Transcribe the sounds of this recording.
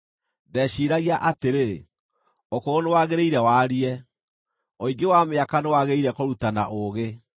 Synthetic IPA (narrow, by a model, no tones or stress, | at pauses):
dɛʃiɾaɣiaʔateɾe | okoonewaɣeɾeiɾɛwaːɾiɛ | oiŋɡewameakanewaɣeiɾɛkoɾutana̰ʔoɣe